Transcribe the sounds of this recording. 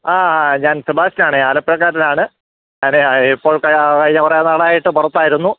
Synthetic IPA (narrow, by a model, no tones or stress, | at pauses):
aːɲaːnsubʱaːɕɐnaːɳɨaːlɐpːjɐk̬ːaːɾɐnaːɳɨ | ɐneipːoːɭkɐkɐɻiɲːɐkɐreɐnːaɭaːjiʈːɨpurɐt̪ːaːjiɾunːu